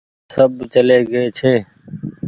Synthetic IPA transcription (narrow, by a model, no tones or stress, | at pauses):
səbt͡ʃəleːɡəeːt͡ʃʰeː